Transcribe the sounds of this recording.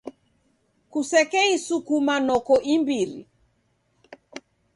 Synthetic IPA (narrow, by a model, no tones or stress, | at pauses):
kusɛkɛisukumanɔkɔʔimbiɾḭ